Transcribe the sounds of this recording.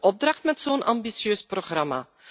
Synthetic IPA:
ʔɔb̚drɑχtmɛtsoːnʔɑmbisjøːsproχrɑma̰ː

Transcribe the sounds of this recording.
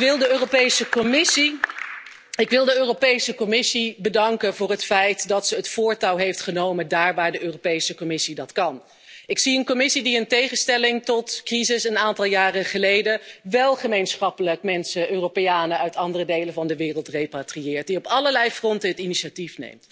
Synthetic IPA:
ʋɪlˠdəøːropejsəkɔmɪsi | ɪkʋɪlˠdəøːropejsəkɔmɪsibədɑŋkənvʊːrɦətfɛjtdɑtsəətfʊːɹtɑwɦejftχənowməndaːɹʋaːɹdəøːropejsəkɔmɪsidɑtkɑn | ɪksiənkɔmɪsidiəntejχəstɛlɪŋtɔtkrizɪsənaːntɑlˠjaːrəχəlejdəʋɛlˠχəmejnsχɑpələkmɛnsəʔøːropeaːnəœɥtɑndərədejləvɑndəʋɪːrəlˠtrejpatriɪːɹt̚diɔpɑləɹlɛjfrɔntəɦətiniʃatifnḛjmt

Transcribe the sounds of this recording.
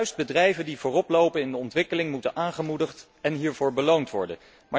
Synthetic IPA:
ɥsd̚bədrɛjvəndivʊːrɔplowpənɪndəɔntʋɪkəlɪŋmutənʔaːŋχəmudəχt | ɛnɦiːɹvʊːɹbəlowntʋɔ̰ɹdə̰n | ma

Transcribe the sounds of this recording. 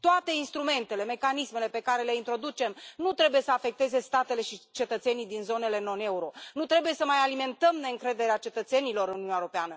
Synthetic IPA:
t̪oat̪e̞inst̪ɾume̞nt̪e̞le̞me̞kanisme̞le̞pe̞kaɾe̞le̞int̪ɾo̞d̪ut͡ʃe̞mnut̪ɾe̞bujesəafe̞k̚t̪e̞ze̞st̪at̪e̞le̞ʃit͡ʃe̞t̪ət̪se̞nid̪inzo̞ne̞le̞no̞ne̞uɾo̞nut̪ɾe̞buje̞səmajalime̞nt̪əmne̞ɨŋkɾe̞d̪e̞ɾeat͡ʃe̞t̪ət̪se̞nilo̞ɾɨnununʲaeɾo̞peanə

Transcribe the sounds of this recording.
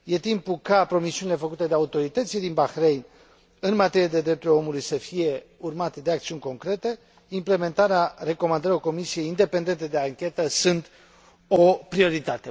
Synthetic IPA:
je̞t̪impukapɾo̞misiunile̞fəkut̪e̞d̪e̞aut̪o̞ɾit̪ət̪sild̪inbaxɾe̞jn | ɨnmat̪e̞ɾijed̪e̞d̪ɾe̞p̚t̪ulo̞mulujsəfije̞urmat̪e̞d̪e̞akt̪siunʲko̞ŋkɾe̞t̪e̞ | imple̞me̞nt̪aɾeare̞ko̞mand̪əɾioko̞misie̞jind̪e̞pe̞nd̪e̞nt̪ed̪e̞aŋkʲe̞t̪əsunt̪ | o̞pɾio̞ɾit̪at̪e

